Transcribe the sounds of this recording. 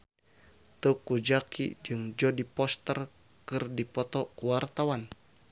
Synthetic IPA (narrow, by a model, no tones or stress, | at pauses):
t̪ukud͡ʒakʰḭd͡ʒɨŋd͡ʒɔdipɔst̪ər | kɨrdipɔt̪ɔkuwart̪awan